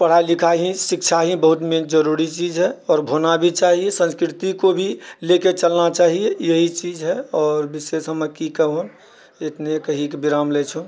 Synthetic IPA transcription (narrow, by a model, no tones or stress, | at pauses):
pəɽ̤ailikʰaɦĩsikt͡ʃʰaɦĩbəɦut̪mẽd͡ʒəɾuɾit͡ʃid͡ʒɦɛɔːɾbʱonabʱit͡ʃaɦiesə̃nskɾit̪ikobʱileket͡ʃəlnat͡ʃaɦiejeɦit͡ʃid͡ʒɦɛɔːɾbisesɦəməkikəɦon | et̪nekəɦikebiɾamlet͡ʃʰu